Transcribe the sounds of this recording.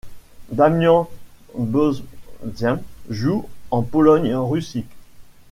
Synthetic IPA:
d̪amjɔ̃ | bɔzdjɛ̃ʒuɑ̃pɔlɔɲʁysik

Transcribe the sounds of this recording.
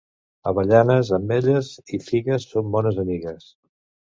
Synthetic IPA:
əβəʎanəzəmbeʎəzifiɣəsːombɔnəzəmiɣəs

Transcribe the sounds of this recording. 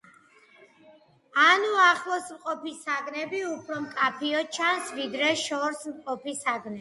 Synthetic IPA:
anuaχlˠɔsmqʼɔpʰisaɡnɛbiupʰɾɔmkʼapʰiɔt͡ʃʰansvid̪ɾɛʃɔɾsmqʼɔpʰisaɡnɛ

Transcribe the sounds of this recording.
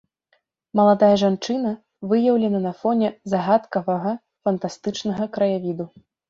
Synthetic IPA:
mɐlˠad̪ajɐʐant͡ʂɨnɐ | vɨjɐwlʲɛnɐnɐfɔnʲɛzaɣat̪kɐvɐɣɐ | fɐnt̪ast̪ɨt͡ʂnɐɣɐkɾɐjavʲid̪u

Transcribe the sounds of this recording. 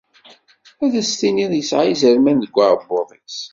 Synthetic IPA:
æðæst̪iniðˤjəsʕaijzəɾmænðəɡʷːaɾˤəbːoðˤis

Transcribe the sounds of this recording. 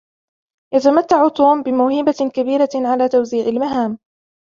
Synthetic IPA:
jat̪amat̪ːaʕʊt̪uːmbɪmʊːhiːbakabiːɾaʕalaːt̪awziːʕɪlmaɦaːm

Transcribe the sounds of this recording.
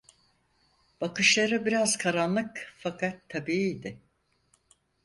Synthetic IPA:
b̥akɯʃlˠaɾɯbiɾazkʰaɾanlˠɯkfakʰat̪ʰːabiːiːd̪ɪ

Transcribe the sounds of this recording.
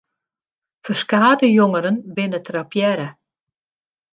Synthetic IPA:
fərskaːdəjoŋəɾənbɪnətrapjɛɾə

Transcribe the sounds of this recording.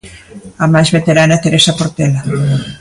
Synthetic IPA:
amajzβet̪eɾanat̪eɾesapoɾt̪ela

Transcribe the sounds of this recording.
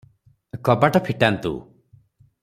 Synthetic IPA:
kɔbaʈapʰiʈant̪ṵ

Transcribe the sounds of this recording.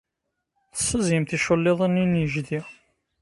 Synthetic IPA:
θə̥sːəzimθiʃəlːeðˤəninjəʒdi

